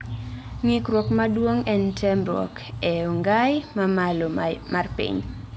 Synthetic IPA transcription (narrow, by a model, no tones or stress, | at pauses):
ŋɪkɾwɔkmadwoŋɛntʰɛmɾɔ̰k | ɛoŋɡajmaalomarpḭɲ